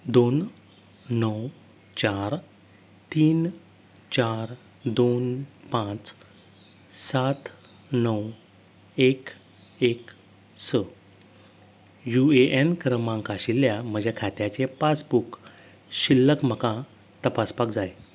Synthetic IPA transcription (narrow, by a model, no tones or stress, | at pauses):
d̪onː | əw | t͡ɕaɾ | t̪iːn | t͡ɕaɾ | d̪onpãt͡s | sat̪ | nəw | ek | ek | sə | jueʔenkɾəmãŋkaɕilːjam̤əd͡ʑʱakʰat̪jat͡ɕepat͡sbuk | ɕilːəkm̤əkã | t̪əpaspakd͡zaj